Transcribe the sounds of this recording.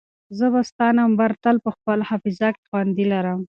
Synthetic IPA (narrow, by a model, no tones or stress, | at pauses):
zəbast̪ɑnambaɾt̪alpəxpəlhafɪzakxwand̪ilaɾəm